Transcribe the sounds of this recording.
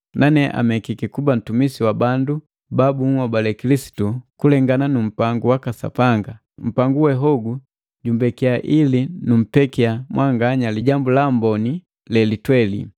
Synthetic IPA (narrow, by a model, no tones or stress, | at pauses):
nʔanɛʔa̰mɛkikikuban̩tumisiwabandu | babuŋwabalɛkilisi̥tukulɛŋɡananum̩paŋɡuwakasa̰paŋɡa | m̩paŋɡuwɛɦɔɡu | ɟumbɛkiaʔilinum̩pɛkiamwʔaŋɡaɲaliɟambulambɔni | lɛlitwɛlḭ